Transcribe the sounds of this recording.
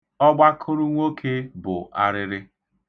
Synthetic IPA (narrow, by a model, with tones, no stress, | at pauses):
ɔ˦ɡ͡ba˦kʰʊ˦ɾʊ˦ŋʷo˦kʰe˦bʊ˨a˦ɾɪ˦ɾɪ˦